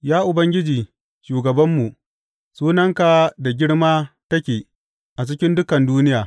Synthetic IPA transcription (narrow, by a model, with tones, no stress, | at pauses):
jaː˦ʔʊ˨bɐ˦ŋɡʲɪ˦d͡ʒiː˨ | ʃuː˨ɡɐ˨bɐ˦mːu˨ʔ | suː˦nɐ˦ŋka˨da˨ɡʲɪ˦ɽmaː˦tɐ˦kʲeː˨ | ʔa˨t͡ʃɪ˦kʲɪ˦ndʊ˦kɐ˨nduː˦nɪ˦jaː˨